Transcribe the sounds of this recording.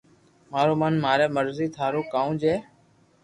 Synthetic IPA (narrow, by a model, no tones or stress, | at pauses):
maːɾoːmənmaːɾɛːməɾziːt̪ʰaːɾoːkaːũːd͡ʒeː